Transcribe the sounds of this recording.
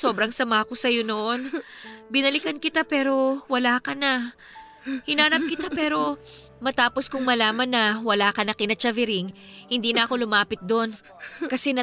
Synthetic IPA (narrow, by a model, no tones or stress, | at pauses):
so̞ːbɾɐŋsɐmaːko̞sɐjo̞noʔonbɪnɐlɪkɐnkɪt̪apɛːɾo̞wɐlaːkɐnɐ | hɪnaːnɐp̚kɪt̪apɛːɾo̞ | mɐt̪aːpo̞skʊŋmɐlaːmɐnːɐwɐlaːkɐnɐkɪnɐt͡ʃɐvɪɾɪŋ | hɪnd̪iːnɐʔɐko̞lʊmaːpɪt̪̚d̪o̞n | kɐsɛnɐ